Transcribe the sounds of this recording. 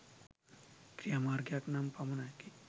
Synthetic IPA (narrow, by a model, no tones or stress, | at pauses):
kɾijamaːɾɡjaknampɐmɐnaki